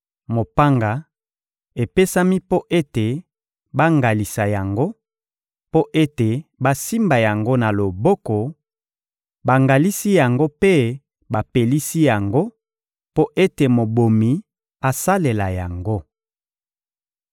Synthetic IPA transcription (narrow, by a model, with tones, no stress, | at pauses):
mo˨pa˦ŋɡa˨ | e˨pe˦sa˦mi˦po˦ʔe˦te˨ | ba˦ŋɡa˨li˨sa˨ja˨ŋɡo˦ | po˦ʔe˦te˨ba˦si˦mba˨ja˨ŋɡo˦na˨lo˨bɔ˦kɔ˨ | ba˨ŋɡa˨li˦si˦ja˨ŋɡo˦pe˦ | ba˨pe˨li˦si˦ja˨ŋɡo˦ | po˦ʔe˦te˨mo˨bo˨mi˨ | a˨sa˦le˨la˨ja˨ŋɡo˦